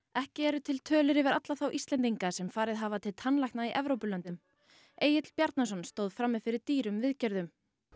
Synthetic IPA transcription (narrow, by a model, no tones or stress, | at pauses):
ɛhcɪɛɾʏt̪ʰɪlt̪ʰœːlɪɾɪvɛɾat̪laθawʔist̪lɛnt̪̬iŋkasɛmfaːɾɪðɦavat̪ʰɪlt̪ʰanlajhk̪tnaiʔɛvɾowpʏlœnt̪ʏm | eːjɪt̪l̥pjaɾt̪nas̬ɔnst̪oːwðfɾamːɪðfɪɾɪɾt̪iːɾʏmvɪðcœɾðʏm